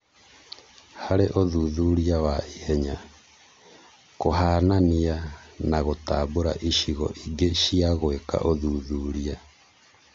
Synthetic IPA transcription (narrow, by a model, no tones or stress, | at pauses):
haɾeʔoðuðuɾiawaihɛɲa | koɦaːnanianaɣotaboɾaʔiʃiɣɔ̰ʔiɡeʃiaɣweka̰ʔoðuðuːɾia